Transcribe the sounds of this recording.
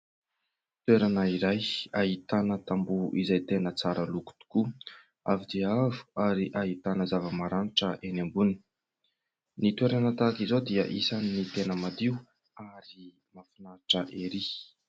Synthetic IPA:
t̪weɾanəiɾajaɦit̪anət̪ambuʔizajt̪enət͡saɾəluku̥t̪u̥ku | a̰vid̪iavu̥aɾiʔaɦit̪anəzavəmaɾaniʈ͡ʂəʔenambuni | nit̪weɾanət̪akizod̪iə̰ʔisaninːit̪enəmad̪iu | aɾi | mafinaʈ͡ʂəʔeɾi

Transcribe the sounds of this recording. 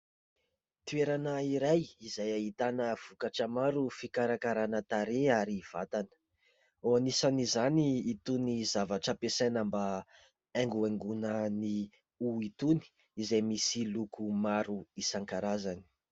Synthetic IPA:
t̪ueɾanaiɾajizajaɦit̪anəv̥ukaʈ͡ʂəmaɾufikaɾakaɾanət̪aɾeaɾiv̥a̰t̪anə̥ | oanisanizaniːt̪unizavaʈ͡ʂəpesanamba | ɛŋɡueŋɡunəni | uit̪uni̥ | izajmisilukumaɾuisaŋkaɾazani̥

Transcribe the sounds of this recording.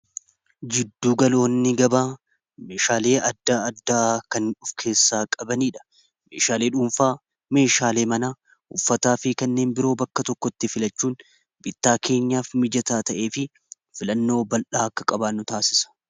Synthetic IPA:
d͡ʒɪd̪ːuːɡɐlo̞ːnːɪɡɐbaː | me̞ːʃaːle̞ːɐd̪ːaːɐd̪ːaːkɐnᶑʊfkʰe̞ːsːaːkʼɐbɐniːᶑɐ̥ | me̞̰ːʃaːle̞ːᶑʊmfaː | me̞ːʃaːle̞ːmɐnaː | ʊfːɐt̪aːfɪkɐnːe̞ːnbɪɾo̞ːbɐkːɐt̪ɔkːɔt̪ːɪfɪlɐt͡ʃːuːn | bɪt̪ːaːkʰe̞ːɲːaːfmɪd͡ʒɐt̪aːt̪ɐʔe̞ːfɪ | fɪlɐnːo̞ːbɐlʔaːɐkːɐ̥kʼɐbaːnʊt̪aːsɪsɐ̥

